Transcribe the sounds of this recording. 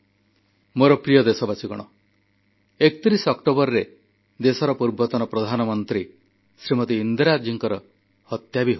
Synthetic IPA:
moɾɔpɾijɔd̪esɔbasiɡɔɽ̃ɔ | ekt̪iɾisɔkʈobɔɾɾe | d̪esɔɾɔpuɾbɔt̪ɔnɔpɾɔd̪ʱanɔmɔnt̪ɾi | sɾimɔt̪iːnd̪ɾad͡ʒiŋkɔɾɔ | hɔt̪jabiɦ

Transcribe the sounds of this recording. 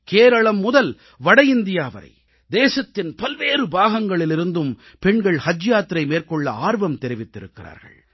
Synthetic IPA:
keːɾɐɭɐmːʊðɐl | ʋɐɽɐjɪnd̪ɪjaːʋɐ̰ɾɐ̰ɪ | d̪eːsɐt̪ːɪnpɐlʋeːrɯbaːɣɐŋɡɐɭɪlɪɾɯnd̪ɯm | pɛɳɡɐɭhɐd͡ʒjaːt̪ːɾɐɪmeːrkɔɭːɐaːɾʋɐmt̪ɛɾɪʋɪt̪ːɪɾɯkːɪra̰ːɾɣɐ̰ɭ

